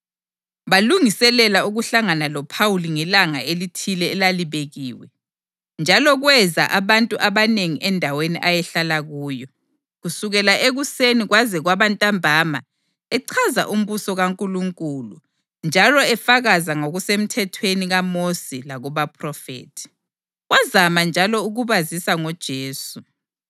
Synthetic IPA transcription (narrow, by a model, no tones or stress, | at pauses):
βaluŋisɛlɛlauɣuɬaŋanalɔpʰauliŋɛlaŋa̰elitʰilɛːlaliβeɣiːwɛ̰ | nd͡ʒʱalɔɣwɛza̰ʔaβantʼuʔaβaneŋiʔɛndʱaweniʔajɛɬalaɣuːjɔ | ɣusuɣɛlaʔeɣuseniɣwazɛɣwaβantʼambʱaːma̰ | ɛǀʰaza̰ʔum̩βusɔɣaŋkʼuluŋkʼulṵ | nd͡ʒʱalɔɛfaɣazaŋoɣusem̩tʰɛtʰweniɣamosilaɣɔβapʰrɔfḛːtʰi̥ | ɣwazamand͡ʒʱalɔuɣuβazisaŋɔd̥ʒ̥ʱeːsu